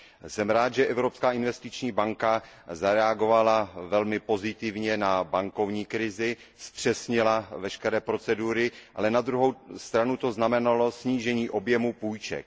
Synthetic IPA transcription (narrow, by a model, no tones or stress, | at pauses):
sɛmɾaːt̪ʒɛʔɛvɾo̞pskaːʔɪnvɛst̪ɪt͡ʃɲiːbaŋkazaɾɛaɡo̞valavɛlmɪpo̞zɪt̪ɪvɲɛnabaŋko̞vɲiːkɾɪzɪ | sp̪r̝̥ɛsɲɪlavɛʃkɛɾɛːpɾo̞t͡sɛduːɾɪʔalɛnad̪ɾuɦowst̪ɾanut̪o̞znamɛnalo̞sɲiːʒɛɲiːʔo̞bjɛmupuːjt͡ʃɛ̰k̚